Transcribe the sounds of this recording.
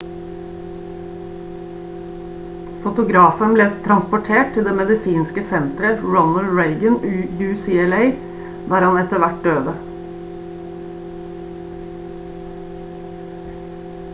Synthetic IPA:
fʊt̪ʊɡɾɑːfənbleːt̪ʰɾɑnspʊʈʰeːʈ̚t̪ɪld̪eːmɛd̪ɪsiːnskəsɛnt̪ɾəɹɔnəlɹeɪɡənʉjʉːsiːɛleɪ | d̪æːɾhɑnɛt̪əʋæʈ̚d̪øːd̪ə

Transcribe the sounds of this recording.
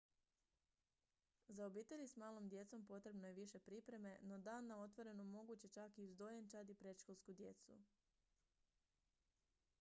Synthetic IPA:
zaobiːt̪e̞ʎʲismaːlo̞md̪je̞t̪so̞mpo̞t̪ɾe̞bno̞je̞ʋiʃe̞pɾipɾe̞me̞no̞d̪aːnːao̞t̪ʋo̞ɾe̞nomo̞ɡut͡ɕe̞t͡ʃakiuzd̪ojent͡ʃad̪ipɾe̞t̪ʃkolˠskud̪je̞t̪sṵ

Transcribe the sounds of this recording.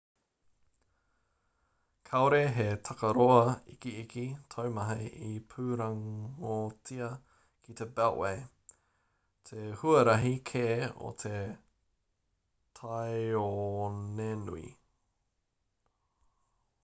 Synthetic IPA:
kʰaoɾeɦetʰɐkɐɾoɐikiikit̪ʰowmɐɦeipʰʉɾɐŋot͡sʰiɐ | kʰit̪ebɛlʔwej | t̪ʰehuɐɾɐɦikʰeo̰t̪ʰe | tʰajonenṵḭ

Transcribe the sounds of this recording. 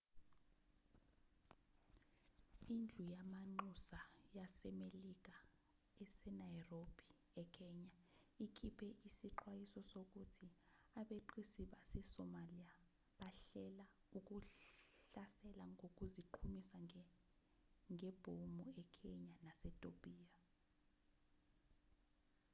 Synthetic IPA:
ind͡ɮʱujamaŋ͡ǃusajasɛmelik̬ʼa | ɛsɛnajrob̥ʱi | ɛkʰɛɲaikʰipʰɛʔisiǃwajisɔsok̬utʰiaɓeǃʰisiɓasɛsɔmalija | ɓaɬɛla | uk̬ʼuɬasɛlaŋɡok̬ʼuziǃʰumisa | ŋʱɛb̥ʱomuɛkʰɛɲanasɛtʼob̥ʱʼiːa

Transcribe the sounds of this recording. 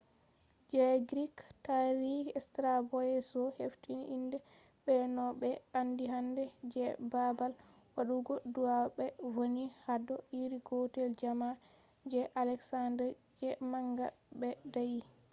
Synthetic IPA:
d͡ʒɛɡɾiktaɾiɛstɾabɔɛsɔheftinḭʔindɛ | ɓɛnɔɓɛandiɦandɛd͡ʒɛbabal | waɗuɡɔduaɓɛvonihadɔiɾiɡɔtɛld͡ʒama | d͡ʒɛʔalɛksandɛɾd͡ʒɛmaŋɡa̰bɛdaji

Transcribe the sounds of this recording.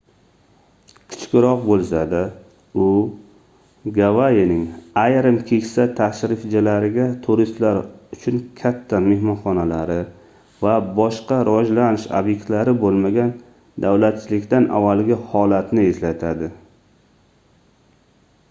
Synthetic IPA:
kʲʰɪ̥t͡ʃkʲɪɾɒq̚bolˠsad̪a | ʊ | ɡavajenɪŋajɾɪmkʲʰe̞kʲsat̪ʰaʃɾɪfd͡ʒalaɾɪɡʲat̪ʰʊɾist̪laɾʊt͡ʃʰʊnkʲʰat̪ʰːame̞hmɒnχɒnalaɾɪ | vabɒʃqɑɾʔavɒd͡ʒlanɪʃo̰bje̞kʲt̪laɾɪbolˠmaɡʲan | d̪awlat̪̚t͡ʃʰɪlɪkʲt̪anʔa̰vːalɡʲɪhɒlat̪nɪe̞slat̪ʰad̪ɪ

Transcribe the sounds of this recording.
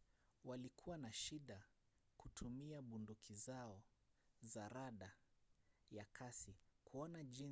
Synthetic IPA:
walikʰuwanaʃiɗa | kutʰumiaɓundukʰizaɔzaɾaɗa | jakʰasikʰuɔnaʄin

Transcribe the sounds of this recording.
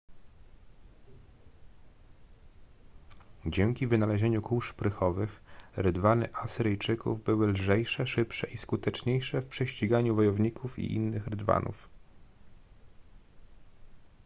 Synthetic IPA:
d͡ʑɛŋkʲivɘnalɛʑeɲukuʂpɾɘxɔvɘxɾɘd̪vanɘ̰ʔasɘɾɘjt͡ʂɘkṵvbɘwɘlʐɛjʂɛʂɘpʂɛʔiskut̪ɛt͡ʂɲejʂɛfpʂɛɕt͡ɕiɡaɲuvɔjɔvɲikʰufḭʔḭnːɘxɾɘd̪va̰nṵf

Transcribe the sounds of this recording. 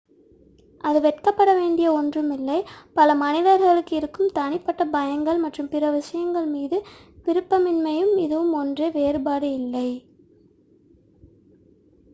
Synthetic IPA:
ʔɐðɯʋɛʈkɐpːɐɽɐʋeːɳɖɪjɐɔndrɯmɪlːɐɪpɐlɐmɐnɪðɐɾɣɐɭɯkːɯɪɾɯkːɯmt̪ɐɳɪpːɐʈːɐbɐjɐŋɡɐɭmɐʈrɯmpɪɾɐʋɪʂɐjɐŋɡɐɭmiːðɯʋɪɾɯpːɐmɪnmɐjɯmɪðɯʋɯmɔndreʋeːɾbaːɽɯɪlːɐɪ

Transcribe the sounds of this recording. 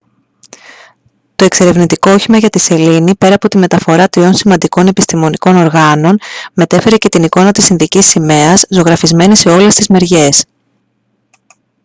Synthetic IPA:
t̪o̞e̞kse̞ɾe̞vnit̪ikooçimɐʝɐt̪ise̞linipe̞ɾɐːpo̞t̪ime̞t̪ɐfo̞ɾɐt̪ɾio̞nsimɐnd̪iko̞ne̞pist̪imo̞niko̞no̞ɾɣɐno̞nme̞t̪e̞fe̞ɾe̞ce̞t̪iniko̞nɐt̪isinðicisime̞ɐzzo̞ɣɾɐfizme̞nise̞o̞le̞st̪izme̞ɾʝe̞s

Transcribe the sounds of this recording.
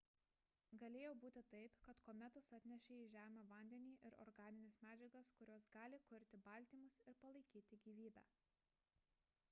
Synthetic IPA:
ɡɐlʲeːjɛʊbuːt̪ʲɪt̪ɐɪpkɐt̪koːmʲɛt̪ʊsɐt̪ʲnʲɛʃʲeiːʒʲæːmʲɐːʋɐnʲd̪ʲɛnʲiːʔɪɾɔ̰ːɾɡɑːnʲɪnʲesmʲæːd͡ʒʲɛɡɐskʊɾʲoːsɡɑːlʲɪkʊɾʲt̪ʲɪbɐlʲˑt̪ʲiːmʊsɪɾpɐlˠɐɪkʲiːt̪ʲɪɡʲiːʋʲiːbʲæ̰ː

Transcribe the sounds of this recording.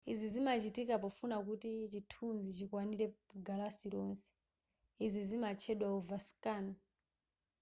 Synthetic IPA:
izizimat͡ʃitikapɔfunakutit͡ʃitʰunzit͡ʃikwaniɾɛɡalasiɾɔnsɛ̥ | izizimat͡ʃʰɛɗwauvaskaːna

